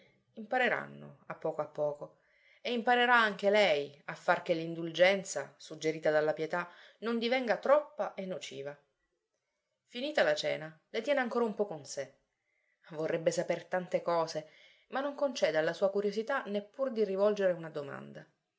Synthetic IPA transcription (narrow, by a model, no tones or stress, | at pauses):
impaɾeɾa̰nːo̰apːɔːkoapːɔːko | eimpaɾeɾaaŋk̟elɛjafːark̟elːind̪uld͡ʒɛnt̪sa̰sud͡ʒeɾiːt̪ad̪alːapjɛt̪a | nond̪ivɛŋɡat̪ɾɔpːaʔenːut͡ʃḭːva | finiːt̪alat͡ʃɛ̰ːna | let̪jɛːneaŋkoːɾaumpɔkonse | vorːɛbːesapert̪ant̪ekɔːze | manːoŋkont͡ʃɛːd̪ealːasuːakuɾjozit̪anepːurd̪irivɔld͡ʒeɾeunad̪oma̰nd̪a